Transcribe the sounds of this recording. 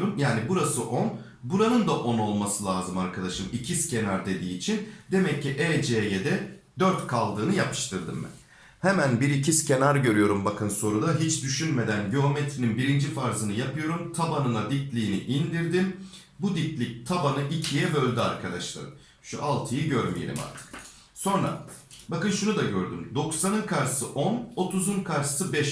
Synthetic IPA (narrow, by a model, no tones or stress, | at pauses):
ɾumjaːnibuɾasɯʔo̞n | buɾanɯnd̪aʔo̞no̞lˠmasɯlʲˠaːzɯmaɾkʰad̪aʃɯmicʰisce̞naɾd̪e̞d̪iːt͡ʃʰind̪e̞mɛcʰːiʔɛːd͡ʒejed̪ɛd̪øɾt̪kʰalˠd̪ɯːnɯjapʰɯ̥ʃt̪ɯɾd̪ɯ̰mbɛ̰n | hemænbiɾicʰisce̞naɾɟø̞ɾyjo̞ɾumbakʰɯnso̞ɾud̪aɦit͡ʃd̪yʃynme̞d̪ænɟyɦomet̪ɾininbiɾind͡ʒifaɾzɯnɯjapʰɯjo̞ɾumt̪ʰabanɯnˠad̪iclʲiːniʔind̪iɾd̪in | bud̪iclʲic̚t̪ʰabanɯʔicʰijɛvɛølʲd̪ʲia̰ɾkʰad̪aʃlˠa̰ɾɯ̰ | ʃuʔalˠt̪ʰɯjɯɟøɾmḭjḛɾḭma̰ɾt̪ʰɯ̥k | so̞nɾa̰ | bakɯnʃunud̪aɟøɾd̪ymd̪o̞ksanɯnkʰaɾsɯʔo̞no̞t̪ʰuzunkʰaɾɯ̥sɯbɛʃ